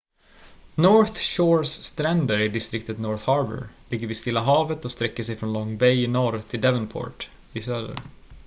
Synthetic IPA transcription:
nɔɾθʃoːɾsːt̪ɾɛnd̪əɾɪd̪ɪst̪ɾɪk̚t̪ət̪nɔɾθhɑɾbə̰ɾlɪɡːəɾvɪst̪ɪlːaɦɑːvət̪ɔst̪ɾɛkːəʂɛjfɾɔnlɔŋːbɛjɪnɔɾt̪ʰɪld̪ɛvənpʰɔ̰ːɾʈ | ɪsœlə̰ɾ

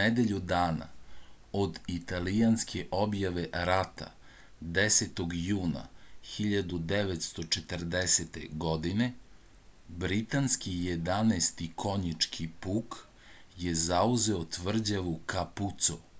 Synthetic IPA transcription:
ed̪eʎud̪aːna̰ | od̪it̪alijanskʰeʔo̞bjaʋe̞ɾat̪a̰ | d̪eset̪oɡjuːna̰xiʎad̪ud̪eʋet̪st̪o̞t͡ʃet̪r̩d̪eset̪ḛɡo̞d̪ine̞ | bɾit̪anskijed̪anest̪ikʰo̞ɲit͡ʃkʰipuːk | je̞zauzeot̪ʋr̩d͡ʑaʋukaput̪so

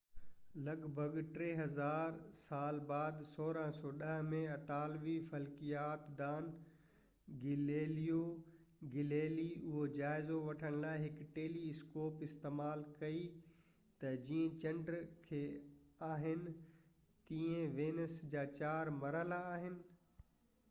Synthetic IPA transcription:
lɐɡbʱəɡʈɾeːɦɐzaːɾsaːlbaːd̪soːɾəɦsɔːɗɐɦmẽɐt̪aːlʋifɐlkijaːt̪d̪aːn | ɡɪleːlijo | ɡɪleːliʊɦod͡ʑaːɪzoʋɐʈʰəɽ̃laːɪɦɪkʈeːliɪskoːpɪst̪eːmaːlkɐi | t̪ɐd͡ʑiːə̃t͡ɕɐ̃ɳɖɾkʰeː | aːɦɪnɪ̆ | t̪iːẽʋeːnəsd͡ʑaːt͡ɕaːɾmɐɾəlaːɦɪnɪ̆

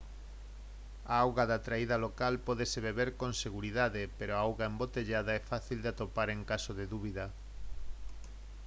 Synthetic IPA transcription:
aawɣaðat̪ɾaiðɐlokalpɔðeseβeβeɾkonseɣuɾiðaðɪpeɾoaawɣaembot̪eʎaðɐɛfaθild̪ɪat̪opaɾeŋkasoðeðuβiðɐ

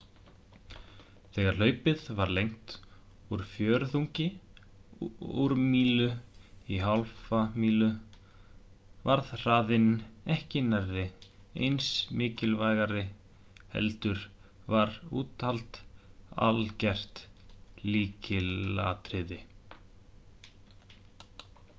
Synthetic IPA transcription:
θɛːɣaɾ̥lœːɥpɪðvaɾlejŋ̥t̪ | uɾ̥fjœːɾθuɲcɪ | uɾmiːlʏiɦalfamiːlʏ | vaɾðr̥aːðɪnɛhcɪnaɾːɪ | ḛjnsmɪːcɪlvajɣaɾɪ | hɛ̰lt̪ʏɾ | vaɾṵːt̪alt̪a̰lcɛr̥t̪liːcɪla̰t̪ɾɪðɪ

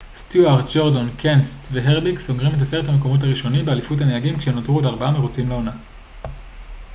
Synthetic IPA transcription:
stuaʁd͡ʒoʁdonkʰenstveɦeʁbiksoɡʁimit̬ase̞ʁethameko̞mo̞t̬haʁiʃo̞nimbealifut̬haneaɡimkʃeemnotʁuetaʁbaameʁot͡simleo̞na

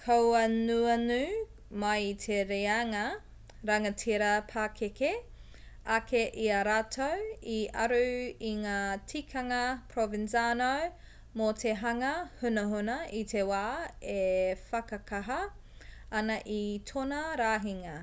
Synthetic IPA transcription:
kʰɐwɐnuɐnʉ | mɐjit̪ʰeɾeaŋɐ | ɾɐŋɐtʰiɾɐpʰaːkʰeke | akʰeʔiɐɾaːtʰowiɐ̰ɾuiŋaːtʰikʰɐŋɐpʰɾovinsanow | motʰeɦɐŋɐhunɐɦunɐʔitʰewaːefɐkɐkʰɐɦɐ | ɐnɐʔitʰonɐɾaːɦiŋɐ

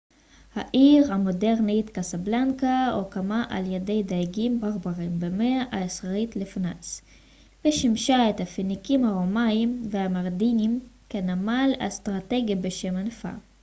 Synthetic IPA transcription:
haʔiʁhamo̞de̞ʁnitkasablaŋkaokamaʔa̰ljede̞jd̪ajɡimbaʁbaʁimbemeaʔaesʁaitlefnat͡s | veʃimʃaet̪hafinikimhaʁomaimveamaʁdinimkenamala̰stʁate̞ɡibeʃe̞manfa̰

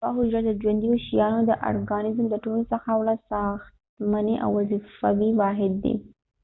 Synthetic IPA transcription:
baɦʊd͡ʒɾad̪əd͡ʒwand̪ijoʃijɑnod̪əʔa̰ɾɡɑnɪzmd̪əʈolosəxawlasɑxt̪maneʔa̰wːazifawiwɑɦɪd̪̚ːḛ

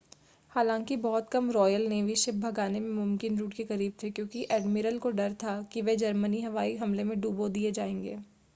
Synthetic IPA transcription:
haːlãːŋkibɔɦɔt̪kɐmɾɔːjəlneːʋiʃɪp̚bʱɐɡaːnemẽmʊmkɪnɾuːʈkekɐɾiːb̚t̪ʰekjõːkiʔɛːɖmɪɾəlkoɖɐɾt̪ʰakiʋed͡ʒɐɾməniɦɐʋaːiɦɐmlemẽɖuːbod̪ied͡ʒaːẽːŋɡḛː

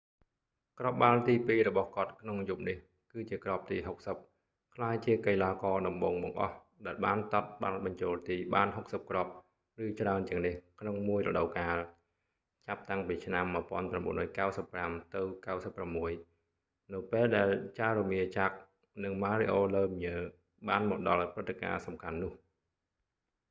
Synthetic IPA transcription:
krop̚ɓalt̪iːpiːɾɔɓɑhkŏət̪̚kʰnoŋjup̚nih | kɨːt͡ɕiəkrop̚t̪iːɦok̚səp̚ | kʰlaːjt͡ɕiəkəjlaːkɑːɗɑmɓoːŋɓɑŋʔɑ̰h | ɗaɛlɓaːnt̪ɑt̪̚ɓa̰lɓɑɲt͡ɕoːlt̪iːɓaːnɦok̚səp̚krop̚ | rɨːt͡ɕraənt͡ɕĭəŋnihkʰnoŋmuəjrɔ̰ɗəwkaːl | t͡ɕap̚t̪aŋpiːt͡ɕʰnamːəəpŏənpramɓṵənrɔːjkawsəpːramt̪ɨwkawsəpːramːuəj | nɨwpeːlɗaɛlt͡ɕarumiət͡ɕak̚ | nɨŋmaːɾiʔoːləːmɲəː | ɓaːnmɔːk̚ɗɑlprɨt̪ːeka̰ːsɑmkʰanːʊ̆əh

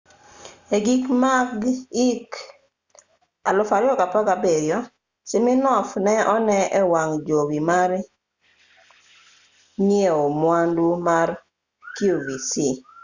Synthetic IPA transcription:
eɡikmaɡik | alɔfaɾɪɔkapakabeɾjɔ | sɪmɪnɔfnɛʔɔnɛɛwaŋd͡ʒowimar | nieomwandumar | kiovisi

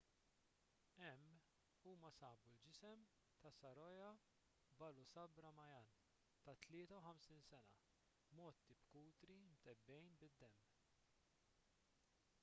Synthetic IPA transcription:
ɛmː | uːmɐsɐːbuld͡ʒɪsɛm | t̪ɐsɐɾɔjɐ | bɐlusɐbɾɐmɐjɐn | t̪ɐt̪lɪːt̪ɐwħɐmsinsɛnɐ̰ | mɔːt̪ːibkuːt̪ɾimt̪ɛbːɛjnbɪd̪ːɛmː

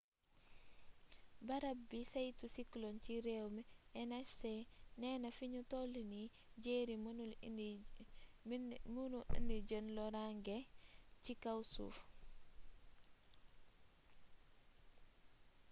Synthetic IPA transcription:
baɾabːisajtusiklɔnt͡ʃiɾɛwmɛɛnɛsɛnɛːnafiɲutolini | d͡ʒeːɾimul | munuḭndid͡ʒənlɔɾaŋɡɛt͡ʃikawsṵːf

